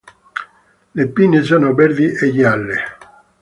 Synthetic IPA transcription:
lepːines̬oːnobɛɾd̪iʔeʎialːe

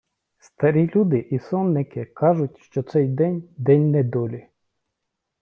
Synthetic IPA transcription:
st̪ɐɾʲilʲud̪ɪʔisɔnːɪkɪkɑʒʊtʲʃt͡ʃɔt̪sɛjd̪ɛnʲd̪ɛnʲnɛd̪ɔlʲi

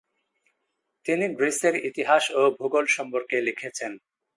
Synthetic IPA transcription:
t̪iniɡɾiseɾit̪iɦaʃobʱuɡolʃɔmpoɾkelikʰet͡ɕʰen

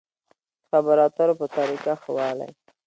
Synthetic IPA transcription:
xabaɾɑt̪aɾopət̪aɾikaxwɑla̰j

